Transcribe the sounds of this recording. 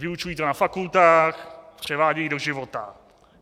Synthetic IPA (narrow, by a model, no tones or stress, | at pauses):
vɪut͡ʃujiːt̪onafakult̪aːxpr̝̥ɛvaːɟɛjido̞ʒɪvot̪a̰